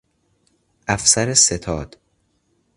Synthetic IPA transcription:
ʔæfsæɾeset̪ʰɒːd̪̥

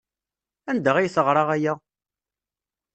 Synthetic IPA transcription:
ænd̪æʁijθəʁɾˤɑʁæjæ

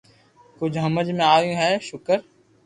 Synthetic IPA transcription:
kʊd͡ʒʱɦəməd͡ʒmẽaːjũːɦɛːʃʊkəɾ

